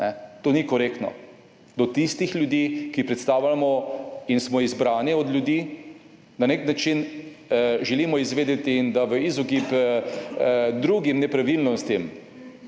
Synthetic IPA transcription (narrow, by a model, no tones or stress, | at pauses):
nɛt̪oːnikɔɾekt̪nɔ̰ | d̪ɔt̪ist̪ixlʲjud̪iːkipɾɛt̪st̪aːwlʲamɔinsmɔizbɾaːnjɛɔd̪lʲjud̪iː | naneknat͡ʃin | ʒɛliːmɔizʋeːd̪et̪iːnd̪aʋəizɔkip | d̪ɾuɡimnɛpɾaʋilnɔst̪im